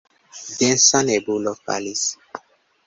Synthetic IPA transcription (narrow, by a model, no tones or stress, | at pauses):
dɛ̃nsãnɛbulɔka̰lis